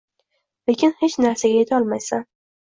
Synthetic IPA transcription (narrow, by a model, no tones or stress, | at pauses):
le̞kʲɪnhet͡ʃnaɾsaɡʲaje̞t̪ʰɒlˠmajsa